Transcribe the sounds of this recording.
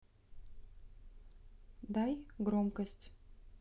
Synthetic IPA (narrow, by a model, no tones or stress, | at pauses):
d̪ajɡɾomkəsʲtʲ